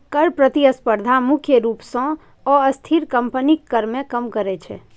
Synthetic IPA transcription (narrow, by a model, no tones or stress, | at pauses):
kəɾpɾət̪iəspəɾd̪ʱamʊkʰjəɾupsɔ̃ | ɔəst̪ʰiɾkəmpənikːəɾmẽkəmkəɾɛt͡ʃʰɛ̰